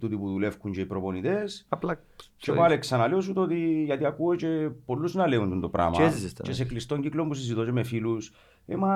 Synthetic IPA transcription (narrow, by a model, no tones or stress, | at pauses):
t̪ut̪ipuðule̞fxuɲceipɾoponit̪e̞sɐplɐ | t͡ʃepaleksɐnɐleos̬ut̪ot̪iʝɐt̪iɐkuot͡ʃe̞po̞lːuznɐleund̪unt̪opɾʔa̰mɐisest̪ɐ̰t͡ʃes̬eklist̪o̞ɲɟiklo̞mpusizit̪o̞cemefilus | ḛmɐ